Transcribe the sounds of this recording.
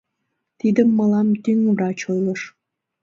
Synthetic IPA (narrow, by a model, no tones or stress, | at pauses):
t̪id̪əmːɤlɑmt̪yŋvrɑt͡ɕojlˠɤ̆ʃ